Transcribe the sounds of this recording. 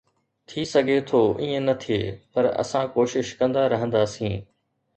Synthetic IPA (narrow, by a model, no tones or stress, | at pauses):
t̪ʰisɐɡʱet̪ʰoːʔiːə̃nɐt̪ʰieːpɐɾɐ̰sãkoːʃɪʃkɐ̃nd̪aɾɐɦə̃nd̪aːsĩː